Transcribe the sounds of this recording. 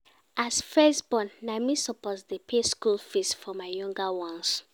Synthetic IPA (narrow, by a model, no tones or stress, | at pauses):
ʔasfɛsbɔ̃nːamisɔpɔsdepʰeskulfistfɔmaɪjɔ̃ŋɡawɔ̃ns